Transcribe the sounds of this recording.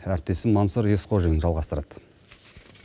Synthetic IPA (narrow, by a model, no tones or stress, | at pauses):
æɾɪp̚t̪e̞sɪmonsoɾesqʰoʒəjɪnʒɑlˠʁɑst̪əɾɑd̪̥